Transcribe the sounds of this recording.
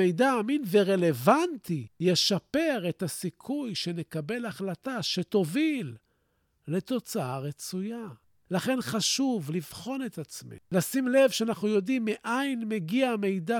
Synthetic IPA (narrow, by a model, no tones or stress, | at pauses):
ejdaːminveʁe̞le̞vant̪ije̞ʃape̞ʁe̞t̪asikʰujʃe̞ne̞kabe̞laχlataʃe̞t̪o̞vil | le̞t̪o̞t͡saaʁet͡suja | laχe̞nχaʃuvlivχo̞ne̞t̪at͡smḭlasimle̞vʃeanaχnujo̞dimːeʔajnmeɡiame̞jda